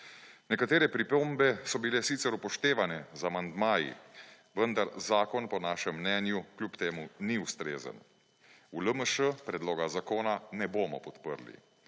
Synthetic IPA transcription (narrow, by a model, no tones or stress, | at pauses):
nɛkat̪eːɾɛpɾipoːmbɛsɔbilɛsiːt̪sɛɾupɔʃt̪eːʋanɛzamand̪maːjḭ | ʋənd̪aɾzaːkɔnpɔnaːʃɛmːnɛːnjuklʲuːpt̪eːmuniust̪ɾeːzə̰n | uləməʃəpɾɛd̪loːɡazakoːnanɛboːmɔpɔt̪pə̰ɾlḭ